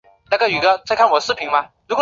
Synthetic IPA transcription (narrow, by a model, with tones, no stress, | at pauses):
t̪a˥ka˥˩y˨˩ɡə˧t͡sʰa˥˧kʰa˥˩nwɔ˨˩˦ʂɹ̩˥˩pʰi˧˥ŋmɐ˧ɻu˧˥kwɔ˨